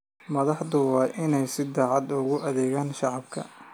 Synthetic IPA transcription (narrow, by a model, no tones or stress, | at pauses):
mɐðɑħd̪ʊwɑːʔɪnɛjsɪd̪ɑːʕɑd̪ʊɣʊʔɐðɛːɣaːnʃɑʕɑbkʰɐ̰